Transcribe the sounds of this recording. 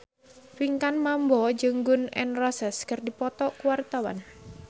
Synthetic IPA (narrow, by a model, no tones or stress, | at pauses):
fiŋkanmambɔd͡ʒɨŋɡʊnɛ̰nrɔsɛskərdipɔt̪ɔkuwart̪awa̰n